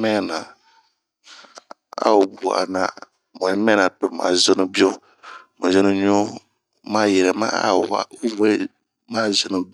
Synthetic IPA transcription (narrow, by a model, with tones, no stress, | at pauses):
mɛ˦˨na˨ | a̰˦u˨bu˨a̰˨na˦ | mo˨ni˦mɛ˦na˨tʊ˨ɾma̰˨zo˦no˦bi˦o˦ | mõ˨zɨ˦no˦ɲo˦ | ma˦jɛ˨ɾɛ˨ma̰˦a̰˦˨a̰˦wɛ˦ | maː˦zɨ˨nu˦